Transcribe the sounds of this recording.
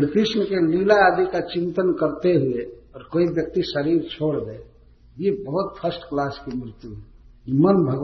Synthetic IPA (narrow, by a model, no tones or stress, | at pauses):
ɾit̪isməkelilaːd̪ikat͡ʃint̪ənkəɾt̪eɦueɔːɾkoibjək̚t̪isəɾiɾt͡ʃʰoɽbe | jebəɦut̪̚pʰəsʈklaskemɾɪt̪juɦɛimənbʱəɡ